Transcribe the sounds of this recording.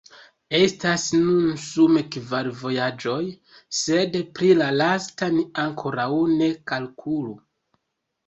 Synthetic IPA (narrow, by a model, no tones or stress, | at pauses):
e̞stasnunsumekvaɾvo̞jad͡ʒo̞j | se̞dpɾilalastaniaŋkʰo̞ɾawne̞kalkʰulu